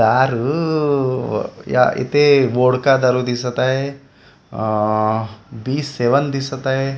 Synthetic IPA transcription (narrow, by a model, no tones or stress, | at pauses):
aːɾ | ja̰ḭt̪eʋoːɽkad̪ɐɾud̪isɐt̪aɦe | biːsːeʋənd̪isɐt̪aɦe